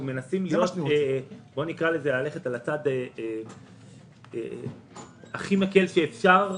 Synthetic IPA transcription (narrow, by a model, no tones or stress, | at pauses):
me̞nasimlijjot | bo̞nikʁalezelale̞χe̞talat͡sad̪ee | e | aχimake̞lʃeːfʃaʁ